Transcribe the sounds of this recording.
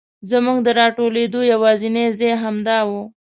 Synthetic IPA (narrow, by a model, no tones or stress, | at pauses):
zamuɡd̪əɾɑʈoled̪ojawɑzinezejɦamd̪ɑwo